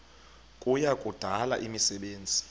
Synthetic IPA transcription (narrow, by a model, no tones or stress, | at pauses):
kʼujakʼud̥ʱala̰ʔimisɛɓeːnd͡zʱi